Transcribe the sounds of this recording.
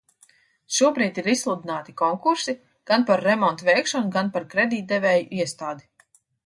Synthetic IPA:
ʃuɔbɾiːt̪iɾislˠud̪inaːt̪ikɔŋkuɾsi | ɡ̥anpaɾːɛmɔnt̪vɛjkʃɔnuɡanpaɾkɾed̪iːt̪̚d̪ɛvɛːjuʔiɛst̪aːd̪i

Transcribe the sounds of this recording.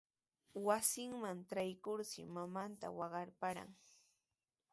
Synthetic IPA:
wasɪŋmanʈ͡ʂajkʊɾsɪ̰mamant̪a̰wɑɢɑɾpaɾa̰ŋ

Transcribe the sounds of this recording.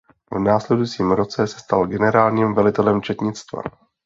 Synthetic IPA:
vnaːslɛdujt͡siːmɾo̞t͡sɛsɛ̥st̪alɡɛnɛɾaːlɲiːmvɛlɪt̪ɛlɛmt͡ʃɛt̪ɲɪt͡st̪va̰

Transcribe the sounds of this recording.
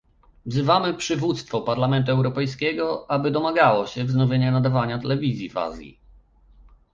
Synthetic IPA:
vzɘvamɘpʂɘvut̪st̪fɔpaɾlamɛnt̪̬uɛwɾɔpɛjskʲɛɡɔʔabɘd̪ɔmaɡawɔɕɛvznɔvʲjeɲɛnad̪avaɲat̪ɛlɛvʲizʲjiva̰zʲjḭ

